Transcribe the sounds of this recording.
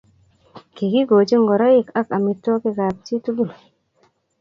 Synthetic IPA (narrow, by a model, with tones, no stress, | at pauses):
ki˨ɡi˦ɡo˨d͡ʒi˦ŋɡo˨ɾa˦ji˦˨ka˦ka˨mi˨tːo˦ki˦ka˨p̚ti˦tu˦ɡu˦l